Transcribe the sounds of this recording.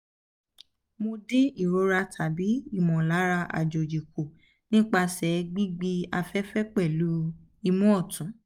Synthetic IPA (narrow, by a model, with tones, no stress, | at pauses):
mo˧dĩ˦i˦˨ɾo˨˦ɾa˧tʰa˨bi˨˦i˦˨mɔ̃˨la˨˦ɾa˧ʔa̰˨d͡ʒo˨d͡ʒi˨ko˨ | nĩ˦k͡pa˧sɛ˨˦ɡ͡bi˦ɡ͡bi˦a˧fɛ˦fɛ˦k͡pɛ˦˨lu˨˦ | i˧mũ˦ɔ˦˨tũ˨˦